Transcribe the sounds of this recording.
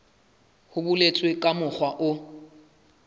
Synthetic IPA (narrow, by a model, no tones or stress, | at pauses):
hʊbʊlet͡sʼwɪkʼamʊk͡xwaʔʊ